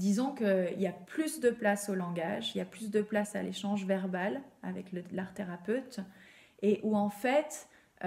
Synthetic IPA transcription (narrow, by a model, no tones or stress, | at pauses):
d̪izɔ̃kəiljaplysd̪əplasolɑ̃ɡaʒiljaplysd̪əplasaleʃɑ̃ʒvɛʁbala̰vɛkləlaʁt̪eʁapøt̪ | eʔuɑ̃fɛt̪